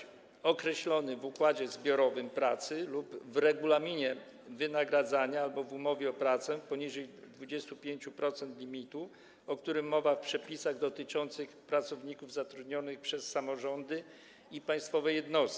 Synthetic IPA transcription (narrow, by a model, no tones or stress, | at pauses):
ɔkɾɛɕlɔnɘvukwad͡ʑɛzbʲjɔɾɔvɘmpɾat̪sɘlubvɾɛɡulamʲiɲɛ | vɘnaɡɾad̪zaɲaalbɔvumɔvʲjɛɔpɾat̪sɛpɔɲiʐɛj | d̪vud͡ʑɛst̪upʲjeɲt͡ɕupɾɔt̪sɛnt̪lʲimʲit̪u | ɔkt̪uɾɘmːɔvafpʂɛpʲisaɣd̪ɔt̪ɘt͡ʂɔnt̪sɘxpɾat̪sɔvɲikuvzat̪ɾud̪ɲɔnɘxpʂɛsːamɔʐɔnd̪ɘ | ipaj̃st̪fɔvɛjɛd̪nɔst̪i̥